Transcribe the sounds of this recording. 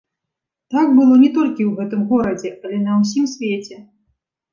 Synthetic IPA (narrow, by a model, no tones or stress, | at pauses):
t̪akbɨlˠɔnʲɛt̪ɔlʲkʲiwɣɛt̪ɨmɣɔɾɐd͡zʲɛʔɐlʲɛnɐws̬ʲimsʲvʲet͡sʲɛ